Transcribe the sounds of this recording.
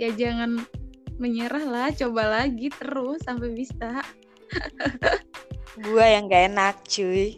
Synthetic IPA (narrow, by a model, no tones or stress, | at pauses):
jad͡ʒaŋanməɲəɾahlaht͡ʃobalaɡit̪əɾʊsːampabisa | ɡuajaŋɡaenak̚t͡ʃuj